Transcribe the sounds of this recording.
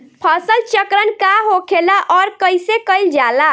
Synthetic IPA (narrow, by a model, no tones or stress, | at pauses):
pʰəsəlt͡ʃəkɾənkaɦokʰelaʔɔɾkəjsekəjld͡ʒala